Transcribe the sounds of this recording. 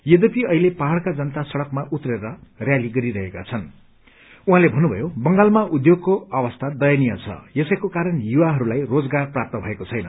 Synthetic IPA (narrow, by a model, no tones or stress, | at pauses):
jed̪ʌpiʌɦilepaɦaɭkad͡zʌnʌt̪asʌɽʌkmaʔut̪reɾʌrjaliɡʌɾiɾʌɦeka̰t͡sʰʌn | uɦãlebʱʌnːubʱʌ̰jobʌŋɡalmaʔud̪joɡ̚koʌbʌst̪ʰad̪ʌjanijʌt͡sʰʌ̰jesʌjkokaɾʌnjuwaɦʌɾulajrod͡zɡarprap̚t̪ʌbʱʌekot͡sʰʌjnʌ